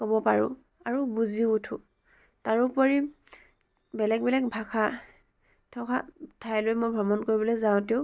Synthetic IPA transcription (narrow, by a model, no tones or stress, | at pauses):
kɔbɔpaɹʊ̰̃ | aɹubuziutʰṵ | taɹupoɹi | bɛlɛk̚bɛlɛk̚bʱakʰa | tʰɔkʰa̰tʰajlojmojbʱɹɔmɔnkoɹibɔlojzaʊ̃teʊ